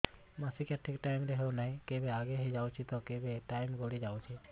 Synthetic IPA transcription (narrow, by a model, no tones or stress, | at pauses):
masikaʈʰːikʈaɪmɾeɦenaɦĩkebeaɡeɦid͡ʒaut͡ʃʰit̪ɔkebeʈaɪmɡoɽid͡ʒaːut͡ʃʰi